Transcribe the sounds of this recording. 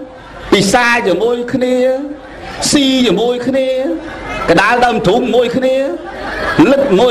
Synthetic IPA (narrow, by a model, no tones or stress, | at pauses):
pisaːt͡ɕiəmuəjkʰniə | siːt͡ɕiəmuəjkʰniəkəɗaəɗəːmt̪ʰuŋmuəjkʰniə | lɨt̪̚muə